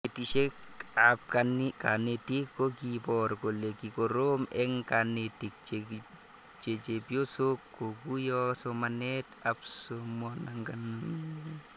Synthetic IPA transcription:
etiʃekap̚kanikanetikːokipɔɾkolekikoɾomɛŋkanetikt͡ʃe | t͡ʃet͡ʃepjosokːoɡujɔsomanɛtapsomɔnaŋɡana

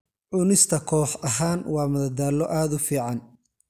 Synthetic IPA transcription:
ʕʊnɪst̪ʰɐkʰɔːħɐɦaːnwɑːmɐðɐd̪aːlːɔʔaːd̪ʊfiːʕɑn

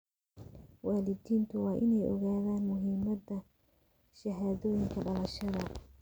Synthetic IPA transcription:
waːlɪdiːnt̪ʰʊwɑːʔɪnɛjʔɔ̰ɣaːðaːnmʊɦiːmɐðɐ | ʃɐɦaːðɔːjɪŋkʰɐɖɐlɐʃɐðɐ

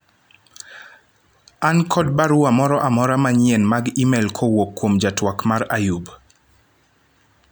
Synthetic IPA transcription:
ankʰɔd̚baɾuamɔɾɔʔamɔɾamaɲɛnmaɡimɛlkʰowokːwomd͡ʒatwakmaɾajub

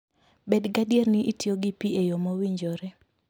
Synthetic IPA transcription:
bedɡadjernɪʔitjoɡipiejomowiɲd͡ʒoɾɛ

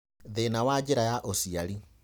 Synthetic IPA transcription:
ðenawad͡ʑeɾajaʔosiaɾi

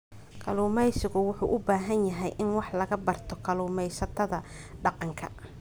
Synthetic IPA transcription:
kʰɐlʊːmɛjsɪɣʊwʊħuːʔʊbaːɦɐnjɐɦɛjʔɪnwɑħlɐɣɐbɐrt̪ʰɔkʰɐlʊːmɛjsɐt̪ʰɐðɐ | ɖɑqɑŋkʰɐ̰

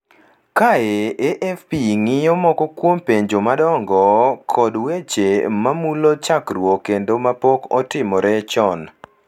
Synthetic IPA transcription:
kaeʔeʔɛfpiŋɪɔmɔkɔkwompeɲd͡ʒomadɔŋɡɔkʰɔdwet͡ʃemamulot͡ʃakrwokːendomapɔkɔ̰tɪmɔɾɛt͡ʃɔn

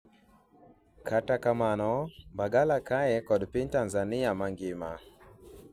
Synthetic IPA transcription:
kʰatakamanɔbaɡalakajɛkɔdpɪntanzanɪamaŋɡɪma

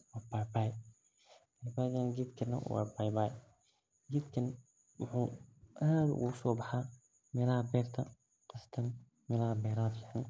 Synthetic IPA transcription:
waːbajbaːj | bajbaːjɡɐnɡid̪kʰɐnɐ̰wɑ̰ːbajbaːj | ɡid̪kʰɐn | wʊħuːʔaːd̪ʊ̰ɣʊ̰ʊsɔːbɐħaː | mɛːlɐhɐbɛːrt̪ʰɐ | qɐst̪ʰɐn | mɛːlɐhɐbɛːɾaːd̪jaʕnɪ

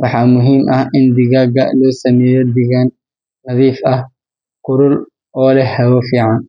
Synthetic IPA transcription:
wɑħɑːmʊɦiːmʔɐhɪnd̪ɪɣɐɡɐlɔːsɐmɛːjɔd̪ɪɣan | nɐðiːfɐh | qʊɾʊl | ɔːlɛhɐwɔfiːʕɑn

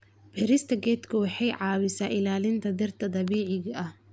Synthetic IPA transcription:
pʰɛɾɪst̪ʰɐɡɛːd̪kʰʊwɑħɑjʕɑːwɪsaːʔɪlaːlɪnt̪ʰɐd̪ɪrt̪ʰɐd̪ɑβiːʕɪɣɐʔɐh

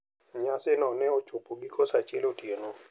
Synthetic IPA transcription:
ɲasɪnɔnɛot͡ʃopoɡikʰɔsat͡ʃelotjeno

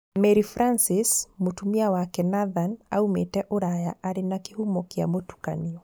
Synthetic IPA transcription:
mɛɾifɾansismotumiawakɛnaðana̰umɛtɛʔoɾajaʔaɾinakihumɔkia̰mbɔtu̥ka̰niɔ

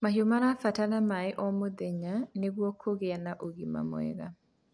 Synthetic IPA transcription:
maɦjomaɾafatalamaɪʔɔmod̪eɲaneɡwɔkʰːoɡɪanaʔoɡima̰mɔ̰ɛ̰ɡa̰

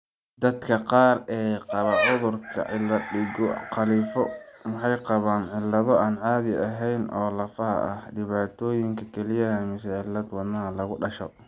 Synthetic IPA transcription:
d̪ɐd̪kʰɐqɑːrɛːqɑβɐʕʊðʊrkʰɐ̰ɪlɐɪɔqɑliːfɔmɑħɑjqɑβaːnʕɪlːɐðɔaːnʕaːðɪɐɦɛjnʔɔːlɐfɐɦɐ̰ʔɐhɖɪβaːt̪ʰɔːjɪŋkʰɐkʰɛlɪjɐɦɐmɪsɛʕɪlːɐd̪wɐnːɐɦɐlɐɣʊɖɐʃɔ̰

